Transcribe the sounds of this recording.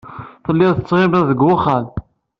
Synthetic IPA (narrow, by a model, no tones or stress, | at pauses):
θəlːɪðθət͡sːʁɪməðəɡʊχal